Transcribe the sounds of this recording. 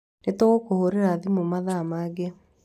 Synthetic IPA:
netoɣokohoɾeɾaðimomaðamaːɡe

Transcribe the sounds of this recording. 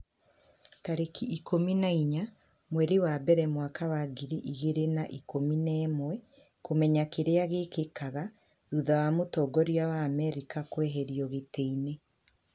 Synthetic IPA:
taɾekiikʰominaiɲa | mwɛɾewabɛɾɛmwakawaːɡiɾiʔiɣeɾenaʔikominɛːmwɛ | komɛɲakeɾeaɣekekaɣa | ɾuðawamotɔːɡɔɾijawaːmɛɾikakwɛɦɛɾiɔɣeteine

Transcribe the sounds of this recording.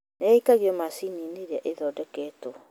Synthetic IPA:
nɛikaɣiɔmasinineɾeaʔeðɔːdɛkɛːtɔ

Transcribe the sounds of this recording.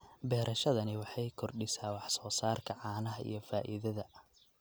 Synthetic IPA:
bɛːɾʔɐʃɐðɐnɪwɑħɑjkʰɔrɖɪsaːwɑħsɔːsaːrkʰɐʕɑːnɐɦɐʔḭjɞfaːʔɪ̰ðɐðɐ

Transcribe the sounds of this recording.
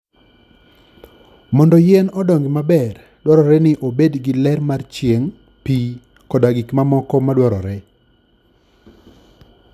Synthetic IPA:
mɔndɔjɛnɔdɔŋɡɪmabɛr | dwɔɾɔɾɛnɪʔobedɡɪlɛrmart͡ʃjeŋ | pi | kɔdaɡikmamɔkɔmadwɔɾɔɾɛ

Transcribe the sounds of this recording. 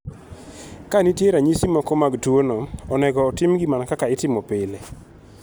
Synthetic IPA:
kanitjeɾaɲisimɔkɔmaɡtwonoɔnɛɡɔːtɪmɡɪmankakaɪtɪmɔpɪle

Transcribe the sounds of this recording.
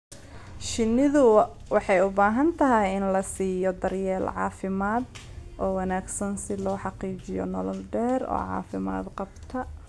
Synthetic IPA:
ʃɪnːɪðʊ | wɑħɑjʊbaːɦɐnt̪ʰɐɦɛjɪnlɐsiːjɔd̪ɐrjɛːlʕɑ̰ːfɪmaːd̪ʔɔːwɑnaːɡsɐnsɪlɔːħɑqiːt͡ʃɪjɔ̰nɔlɔlɖɛːrɔ̰ːʕɑ̰ːfɪma̰ːd̪qɑbt̪ʰɐ

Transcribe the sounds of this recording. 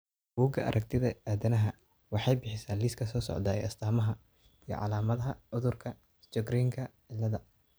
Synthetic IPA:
b̥uːɡɐʔɐ̰ɾʔɐk̚t̪ʰɪðɐaːðɐnɐɦɐ | wɑħɑjbɪħɪsaːliːskʰɐsɔːsɔ̰ʕd̪aːɛ̰ɐ̰st̪ʰaːmɐɦɐ | ijɞ̰ʕɑ̰laːmɐðɐɦɐʊðʊrkʰɐ | t͡ʃɔɡɾiːŋkʰɐʕɪlːɐðɐ

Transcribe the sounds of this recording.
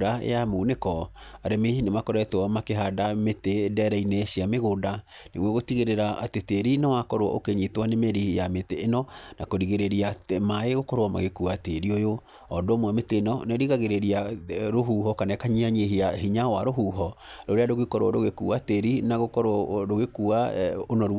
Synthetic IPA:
ɾaḛjamuːnekɔaɾemenemakɔɾɛtwɔmakeɦadametedɛɾɛineʃiameɣoda | nḛɣwɛɣotiɣeɾeɾaʔateteɾinawakɔɾoɔʔo̰keɲitwanemeɾihijameteːnɔnakoɾiɣeɾeɾiamaeɣokɔɾwama̰ɣekuateɾiojo | ɔdomwɛmeteːnɔneɾiɣaɣeɾeɾiaɾoɦuɦɔkanɛkaɲiaɲeɦiaɦiɲawaɾoɦuɦɔɾoɾeadoɣekɔɾoɔɾoɣekuateɾinaɣokɔɾɾoɣekuaonɔɾu

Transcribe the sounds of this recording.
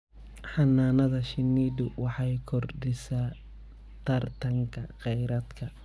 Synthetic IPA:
ħɑnːaːnɐðɐʃɪnːiːd̪ʊwɑħɑjkʰɔrdɪsaː | t̪ʰɐrt̪ʰɐŋkʰɐqɛjɾɐd̪kʰɐ

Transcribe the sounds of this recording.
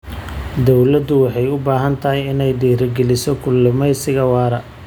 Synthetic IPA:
d̪ɔwlɐd̪ʊwɑħɑjʊbaːɦɐnt̪ʰɐɦɪjɪnɛjd̪iːɾɐɡɛlɪsɔkʰʊlːɪmɛjsɪɣɐwɑːɾɐ

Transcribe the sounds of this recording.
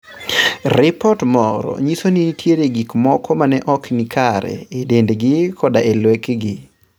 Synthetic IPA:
rɪpɔtmɔɾɔ̰ɲisonitjeɾeɡikmɔkɔmanɛʔɔknikʰaɾɛ̰edendɡɪkʰɔdaelwɛkɡɪ

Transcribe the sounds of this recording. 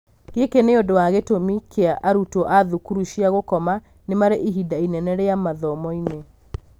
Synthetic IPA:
ɣekeneodowaɣetomikʰeaʔaɾutoʔaðukuɾuʃiaɣokɔma | nemaɾeʔiɦidainɛnɛɾeamaðɔmɔine

